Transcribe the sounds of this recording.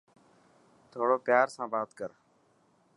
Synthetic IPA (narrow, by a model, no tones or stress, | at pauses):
t̪ʰoːɽoːpjaːɾsãːbaːt̪kəɾ